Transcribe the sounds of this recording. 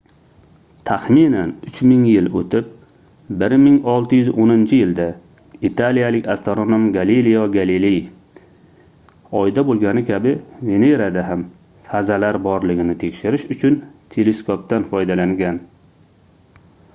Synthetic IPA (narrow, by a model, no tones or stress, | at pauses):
t̪ʰaχminanʊt͡ʃmɪŋjɪlot̪ʰɪp̚ | bɪɾmɪŋɒlˠt̪ʰɪjʏzʔonɪnt͡ʃʰɪjɪld̪a | it̪ʰalijalɪkʲʰast̪oɾonomɡalilijaɡalilej | ɒjd̪abolˠɡʲanɪkʲʰabɪve̞neɾad̪aɦam | fazalaɾbɒɾlɪɡʲɪnɪt̪ʰekʲʃɪɾɪʃʊt͡ʃʰʊnt̪ʰe̞leskʰop̚t̪anfɒjd̪alaŋɡʲan